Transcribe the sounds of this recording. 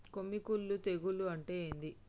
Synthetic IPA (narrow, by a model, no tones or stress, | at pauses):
komːikulːut̪e̞ɡuluɐɳʈeːnd̪i